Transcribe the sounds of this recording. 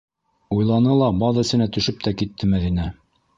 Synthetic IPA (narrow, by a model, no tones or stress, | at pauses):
ujlˠɑnɤlˠɑbɑðɘ̆sɘ̆næt̪ɵ̆ʃɵp̚t̪ækit̪ːɘmæðinæ